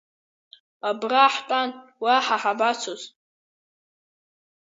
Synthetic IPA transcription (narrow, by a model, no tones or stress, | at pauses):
abraħtʼanwaħaħabat͡sʷʰoz